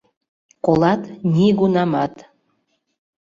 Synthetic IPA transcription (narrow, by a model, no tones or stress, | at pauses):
kolˠɑt̪nʲiɡunɑmɑt̪